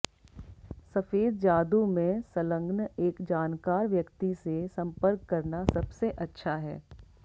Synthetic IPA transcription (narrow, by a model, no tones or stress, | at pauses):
sɐfeːd̪̚d͡ʒaːd̪umẽsələ̃ŋɡneːkd͡ʒaːnkaːɾʋjɐkt̪isesɐ̃mpəɾkːɐɾnasɐbseʔɐtːʃʰaɦɛ̰ː